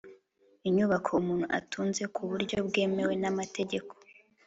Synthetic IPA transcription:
iɲuβakʰoumuːn̥huʔa̰tʰuːnze̞kʰuβuɾɟo̞bɡe̞ːme̞we̞namate̞ɟe̞ko̥

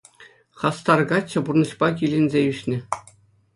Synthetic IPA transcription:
χɑst̪ɑrɡɑt͡ɕːɤ̆burnɤ̆ɕpɑkʲilʲenʲzʲeyɕnʲɘ̆

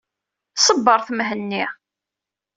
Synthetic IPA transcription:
sˤəbːəɾˤθmɦənːi

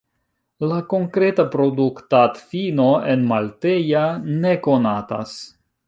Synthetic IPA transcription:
lako̞ŋkɾe̞tapɾo̞duktatfinoe̞nmalte̞jane̞ko̞nata̰s

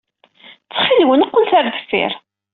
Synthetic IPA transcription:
t͡sːχilwənəqːʊlθæɾd̪ə̥fḭɾ

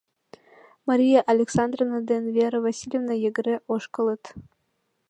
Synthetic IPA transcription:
maɾʲijaʔalʲeksɑnd̪rovnɑd̪envʲeɾəvasʲilʲevnɑjeɡɘ̆ɾeʔoʃkɤ̆lˠə̆t̪

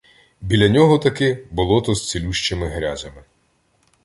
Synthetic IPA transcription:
bʲilʲɐnʲɔɦɔt̪ɐkɪbʊlˠɔt̪ɔst͡sʲilʲuʃt͡ʃemɪɦɾʲazɐmɪ

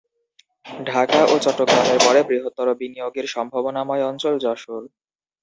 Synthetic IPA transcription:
ɖʱakaʔot͡ɕɔʈːoɡɾameɾpɔɽebɾiɦot̪ːɔɾobinijoɡeɾʃɔmbʱabonamɔeɔnt͡ɕold͡ʑɔʃol

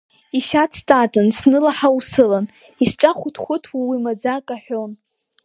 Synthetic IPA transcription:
iʃat͡sʰtʼatʼɨnsnɨlaħawusɨlaniʂʈ͡ʂʼaχʷʊtʰχʷʊtʰwawimad͡zakʼaħʷᶣon

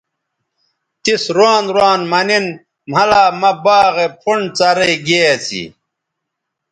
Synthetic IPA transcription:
t̪isɾaːnɾwaːnmɐnin | m̤ɐlaːmɐbaːɣepʰuɳt͡sɐɾeɡeːt͡sʰḭ

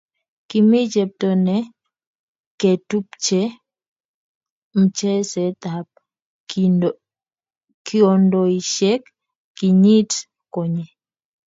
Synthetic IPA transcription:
kimid͡ʒɛp̚tɔnɛ | kɛtupt͡ʃɛ | m̩t͡ʃɛsɛtap̚ | kiɔndɔiʃɛkː | iɲit | kɔɲɛ

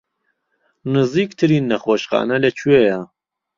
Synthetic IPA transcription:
nɨziːkt̪ʰɨɾiːnːɐxoːʃχɑ̰ːnɐlɐt͡ʃʰueja

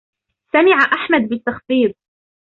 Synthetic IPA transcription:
samɪʕaʔaħmad̪bɪt̪ːɑxfiːðˤ

